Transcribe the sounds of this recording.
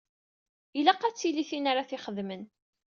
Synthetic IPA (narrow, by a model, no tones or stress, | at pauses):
ilæqːæt͡sːiliθinaɾaθiχəðmən